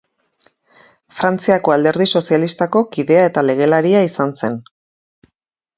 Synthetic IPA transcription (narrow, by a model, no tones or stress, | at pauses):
fɾant͡siako̞ald̪e̞ɾðiso̞sialist̪ako̞kiðe̞aet̪ale̞ɣ̞e̞laɾiaisanse̞n